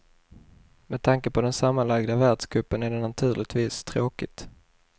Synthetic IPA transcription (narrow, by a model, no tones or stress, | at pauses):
mɛd̪̚t̪ʰaŋkəpʰɔd̪ɛnsamːanlaɡd̪avæɖʂkɵpːənæɖɛnat̪ʰʉ̟ːlɪt̪viːst̪ʰɾoːkɪt̪